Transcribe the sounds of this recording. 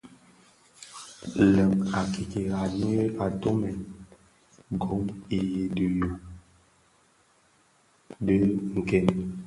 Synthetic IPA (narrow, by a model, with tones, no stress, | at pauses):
lə˨ma˨ki˨ke˨a˨n˦e˦ʔa˨to˦mɛ˨n | ɡo˨˦mi˨je˨də˨jo˨ | də˦ŋ̩˨kɛ˦˨n